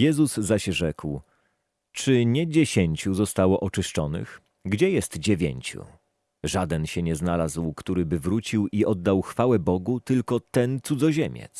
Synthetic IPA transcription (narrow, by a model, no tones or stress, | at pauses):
jɛzuzzaɕʐɛkw | t͡ʂɘɲɛd͡ʑeɕeɲt͡ɕuzɔst̪awɔʔɔt͡ʂɘʂt͡ʂɔnɘ̰x | ɡd͡ʑɛjɛst̪d͡ʑevʲjḛɲt͡ɕṵ | ʐad̪ɛnɕɛɲɛznalazwkt̪uɾɘbɘvɾut͡ɕiwiʔɔd̪ːawxfawɛbɔɡut̪ɘlkɔt̪ɛnt̪sud̪zɔʑemʲjɛ̰t̪s